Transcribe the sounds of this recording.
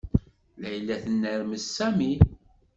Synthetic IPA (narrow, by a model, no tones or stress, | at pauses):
læjlːæθənːæɾməsːæmi